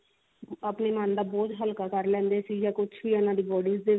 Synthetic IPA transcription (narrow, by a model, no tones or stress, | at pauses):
aːpneːmãːnd̪aːbɔːt̪ɦəlkaːkəɾlɛ̃ːnd̪eːsiːjaːkʊt͡ʃʰbiːənãːd̪iːbɔːɖiːsd̪eː